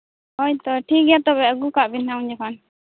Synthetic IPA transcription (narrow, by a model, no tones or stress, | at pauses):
ɔjt̪ɔʈʰiɡjat̪ɔbɛəɡukaʔbinaw̃nd͡ʒakʰan